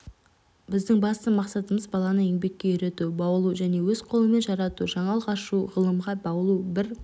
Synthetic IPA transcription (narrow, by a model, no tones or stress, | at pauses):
bɪzd̪ɪŋbɑst̪əmɑqsɑt̪əməzbɑlˠɑnəe̞ŋbe̞kʲːe̞jʏɾe̞t̪ubɑwəlˠuʒæne̞wɵz̥qʰo̞lˠəme̞nʒɑɾɑt̪uʒɑɴɑlˠʁɑʃuʁəlˠəmʁɑbɑwlˠubɪɾ